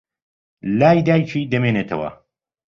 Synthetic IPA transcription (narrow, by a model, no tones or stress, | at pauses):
laːjd̪aːjt͡ʃʰiːd̪ɐmeːneːt̪ʰɐwɐ̰